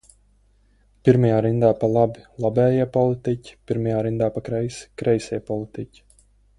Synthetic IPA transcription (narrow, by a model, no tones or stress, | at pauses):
piɾmajaːɾind̪aːpalˠabilˠabɛːjɛɛpɔlˠit̪icʲi̥pʲiɾmajaːɾind̪aːpakɾɛjsi̥kɾɛjsʲijpɔlˠit̪icʲi̥